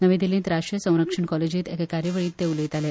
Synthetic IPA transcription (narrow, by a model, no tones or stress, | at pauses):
nəʋẽd̪ilẽnt̪ɾaʂʈɾijəsə̃w̃ɾəkʂəɳkɔled͡ʑit̪ekekaɾjəʋəɭiːt̪ːeuləit̪ale